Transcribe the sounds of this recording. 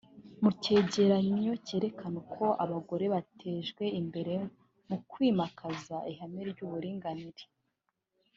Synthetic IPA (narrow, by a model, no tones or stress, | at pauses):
muce̞ːɟe̞ɾaɲio̞ce̞ːɾe̞kanokʰo̞ʔaβaɡo̞ɾe̞βatʰeːʒɡwe̞imbe̞ɾe̞ | mukwiːmakʰazaiɦameɾɟuːβuɾiːŋɡaniɾi̥